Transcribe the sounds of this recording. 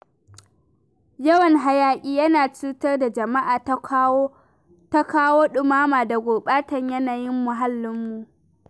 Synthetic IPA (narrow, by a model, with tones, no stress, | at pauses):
jɐ˦wɐ˨ŋɦa˨jaː˨kʲʼiː˦jɐ˦naː˨t͡ʃuː˦tɐ˦rda˨d͡ʒɐ˨ma˦ʔaː˨tː | ta˦kaː˦woː˦ɗʊ˨maː˦maː˨da˨ɡʷoː˨ɓaː˦tɐ˨ɲjɐ˦naː˨jɪ˦mːʊ˨ɦa˦lːʊ˦mːu˨ʔ